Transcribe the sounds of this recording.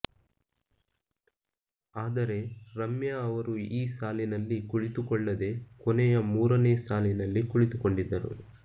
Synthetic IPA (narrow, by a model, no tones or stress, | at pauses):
aːd̪ɐɾe̞ɾɐmjɐːʋɐɾuiːsaːlinɐlːikuɭit̪ukɔɭːɐd̪e̞kɔnɛjɐmuːɾɐneːsaːlinɐlːikuɭit̪ukoɳɖid̪ːɐɾṵ